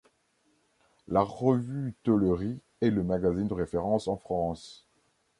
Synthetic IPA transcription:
laʁəvyt̪ɔləʁi | ɛləmaɡazind̪əʁefeʁɑ̃sɑ̃fχɑ̃s

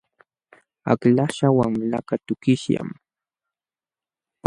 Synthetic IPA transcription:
aklaʃawaŋlakat̪ʊkɪʃja̰m

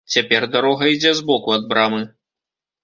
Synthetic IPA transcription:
t͡sʲapʲɛrd̪aɾɔɣɐid͡zʲɛzbɔkuɐd̪̚bɾamɨ

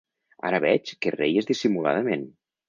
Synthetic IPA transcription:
a̰ɾəβɛt͡ʃkerejezðisimula̰ð̞əmen

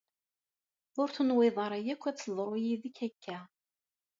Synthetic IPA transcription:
ʊɾθənwɪðˤɑɾˤæjækʷːæt͡sːəðˤɾˤʊjiðikːækːæ

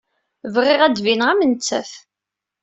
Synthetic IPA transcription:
vʁɪʁæd̪vinʁæmənt͡sːæ̰θ

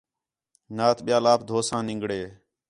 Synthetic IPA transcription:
naːt̪ɓɪjaːlaːp̚d̪ʱoːsãːnɪ̃ŋɡɽeː

